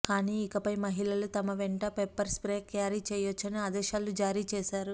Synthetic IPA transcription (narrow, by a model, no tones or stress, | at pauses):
kaːniːkɐpɐjmɐɦilɐlut̪ɐmɐʋɛɳʈɐpepːɐɾspɾeːkjaːɾit͡ʃɛːjot͡ʃːɐniad̪ɛːʃaːlud͡ʒaːɾiːt͡ʃɛːʃaːɾu